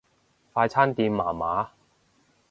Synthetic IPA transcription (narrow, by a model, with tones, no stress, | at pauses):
faː˧jt͡sʰaː˥nt̪iː˧mːaː˨˩maː˨˥